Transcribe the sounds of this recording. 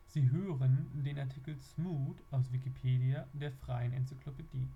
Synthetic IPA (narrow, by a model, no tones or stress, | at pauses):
z̥iːɦøːʁəndeːnaɐtʰikl̩smuːtʔaʊsv̥ikipʰeːdiadeːɐfʁ̥aɪənɛnt͡sikʰlopediː